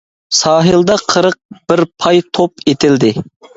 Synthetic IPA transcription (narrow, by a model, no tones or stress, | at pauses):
sɑːɦɨlˠd̪ɑqʰəɾəq̚b̥ɪɾpʰɑjt̪ʰopet̪ʰɪld̪ɪ